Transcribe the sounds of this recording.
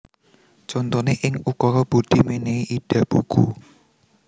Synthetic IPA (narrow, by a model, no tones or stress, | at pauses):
t͡ʃɔnt̪ɔneʔɪŋukɔɾɔb̥o̤ɖ̪̥imeneiʔiɖ̥ä̤b̥uɡ̥u